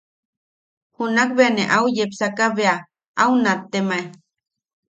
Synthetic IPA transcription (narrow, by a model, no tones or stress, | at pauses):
hunakbeaneʔaujepsakaβea | aunat̪ːemaj